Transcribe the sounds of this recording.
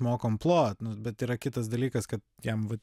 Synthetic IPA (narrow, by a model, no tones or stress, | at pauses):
moːkoːmplˠoːt̪nʊbʲɛt̪iːɾɐkʲɪt̪ɐsd̪ɐlʲiːkɐskɐt̪jɛmʋɐ